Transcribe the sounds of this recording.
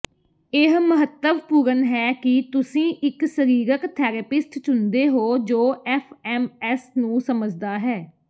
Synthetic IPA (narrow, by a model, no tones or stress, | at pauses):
ɪɦməɦət̪ːəʋpuːɾənɦɛːkɪt̪ʊsĩːʔɪksəɾiːɾəkt̪ʰɛːɾepɪsʈt͡ʃʊnd̪eːɦoːd͡ʒoːɛfʰɛːmɛːsnũːsəməd͡ʒd̪aːɦɛː